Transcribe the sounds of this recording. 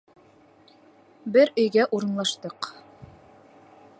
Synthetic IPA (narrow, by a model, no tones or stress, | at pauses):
bɘɾɵ̆jɡæʔuɾɤ̆nlˠɑʃt̪ɤq